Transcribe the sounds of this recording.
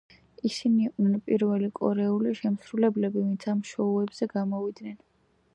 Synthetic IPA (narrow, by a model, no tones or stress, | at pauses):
isiniːqʼnɛnpʼiɾvɛlikʼɔ̰ɾɛuliʃɛmsɾulɛblɛbivint̪sʰamʃɔuɛbz̥ɛɡamɔvid̪nɛn